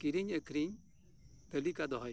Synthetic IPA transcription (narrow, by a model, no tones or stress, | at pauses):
kiɾiɲɛkɾiɲ | p̪ɛlikad̪ɔɦɔj